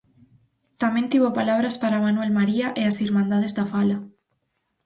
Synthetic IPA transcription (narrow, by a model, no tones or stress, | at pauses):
t̪amẽnt̪iβopalaβ̞ɾaspaɾamanwelmaɾiaʔeasiɾmãnd̪að̞ezðafala